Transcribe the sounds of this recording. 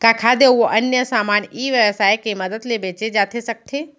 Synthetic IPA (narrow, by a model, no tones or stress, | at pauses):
kaːkʰad̪eoʔɐnjəsaːmaːniːʋjəʋsaːjkeməd̪əd̪lebeːt͡ʃed͡ʒaːt̪ʰesək̚t̪ʰeː